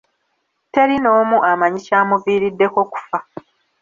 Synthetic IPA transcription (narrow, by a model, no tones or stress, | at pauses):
te̞ɾino̞ːmuʔamaɲicaːmuviːɾidːe̞ko̞ku̥fa